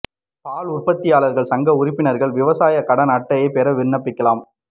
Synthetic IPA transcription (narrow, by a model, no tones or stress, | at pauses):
paːɭʊrpɐt̪ːɪjaːɭɐɾɣɐɭsɐŋɡɐʊɾɪpːɪnɐɾɣɐɭʋɪʋɐsaːjɐkɐɽɐnɐʈːɐjepɛɾɐʋɪɾɳːɐpːɪkːɐlaːm